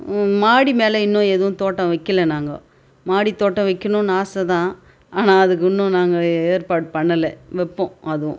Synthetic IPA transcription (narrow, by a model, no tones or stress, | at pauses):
maːɽimeːlɐɪnːʊ̃eðɯʋʊ̃t̪oːʈːɐ̃ʋɐkːɯlɛnaːŋɡɐ̰ | maːɽit̪oːʈːɐ̃ʋɐkːɯnʊ̃naːsɐt̪ãː | aːnaːɐðɯk̬ːʊnːʊ̃naːŋɡɐeːɾpaːɽpɐɳːɐlɛʋɛpːɔ̃ɐðɯʋʊ̰̃